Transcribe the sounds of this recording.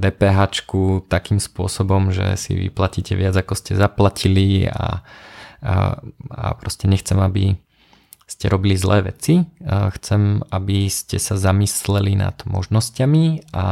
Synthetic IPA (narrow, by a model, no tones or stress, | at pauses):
d̪ɛːpɛːɦaːt͡ʃkut̪akiːmspʊɔsɔbɔmʒɛ̰sḭʋḭplaciːcɛʋɪad͡zakɔscɛzaplacʰilia̰ | a̰pɾɔscɛɲɛxt͡sɛmabḭ | scɛɾɔbilizlɛːʋɛt͡sixt͡sɛmabiscɛsazamislɛlina̰d̪̥mɔ̰ʒnɔscamia